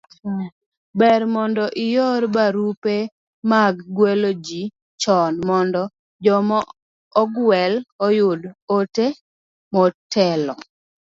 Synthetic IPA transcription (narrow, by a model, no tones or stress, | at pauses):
bɛɾmɔndɔʔɪjoɾbaɾupe | maɡːwelod͡ʒi | t͡ʃɔnmɔndɔ | d͡ʒɔmɔː | ɡwɛlɔjʊdote | mɔtʰɛlɔ